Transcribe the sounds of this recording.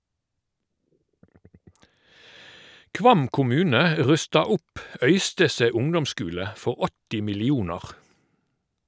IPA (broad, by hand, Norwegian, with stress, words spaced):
ˈkʋɑm kʊˈmʉːnə ə ˈʁʉstɑ ˈʊp ˈœʏstəseː ˈʊŋdɔmˌskʉːlə ˈfɔʁ ˈɔtɪ mɪlɪˈuːnɑʁ